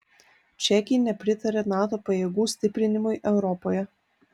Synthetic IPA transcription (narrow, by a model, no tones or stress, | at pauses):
t͡ʃʲɛkʲɪjnʲɛpʲɾʲɪt̪ɐɾʲeːnɑːt̪oːpɐjeːɡuːsʲt̪ʲɪpʲɾʲɪnʲɪmʊɪʔɛʊɾɔpoːjɛ